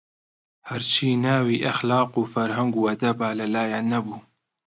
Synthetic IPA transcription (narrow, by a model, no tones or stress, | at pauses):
hɐɾt͡ʃʰiːnaːwiːʔɐxlɑːquːfɐɾɦɐŋɡuːɐd̪ɐbaːlɐlaːjaːnɐbuː